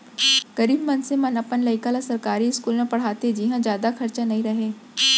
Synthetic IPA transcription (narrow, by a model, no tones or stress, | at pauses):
ɡ̥ɐɾiːbmɐnsemɐnəpənlɐɪkalasɐɾkaːɾiɪskuːlmẽpɐɽ̤aːt̪ed͡ʒɪɦãd͡ʒjaːd̪axɐɾt͡ʃanɐɦĩɾɐɦeː